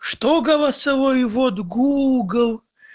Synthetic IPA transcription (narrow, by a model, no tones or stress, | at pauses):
ʂt̪oɡɐlˠɐsɐvojvɔt̪ɡuɡəlˠ